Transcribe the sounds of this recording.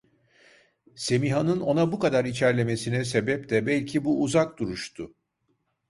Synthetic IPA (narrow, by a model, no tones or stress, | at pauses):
se̞miɦanɯno̞nabukad̪aɾit͡ʃʰæɾlʲe̞me̞sinɛse̞bɛp̚d̪ɛbɛlʲcʰibuːzak̚d̪uɾuʃt̪ʰʊ